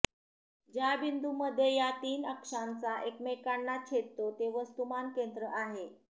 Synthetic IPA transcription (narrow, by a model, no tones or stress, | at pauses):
d͡ʑjabind̪uməd̪ʱːjejat̪iːnəkʂant͡saʔekmekanːat͡ɕʰet̚t̪ot̪eʋəst̪umankend̪ɾəʔaɦe